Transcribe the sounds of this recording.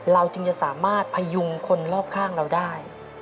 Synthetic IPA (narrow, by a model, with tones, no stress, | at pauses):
ɾa˧wt̪ɯ˧ŋt͡ɕa˨ʔsaː˩˦maː˥˩t̪̚pʰa˧ju˧ŋkʰo˧nlɔː˥˩k̚kʰːaː˥˩ŋɾa˧wdaː˥˩j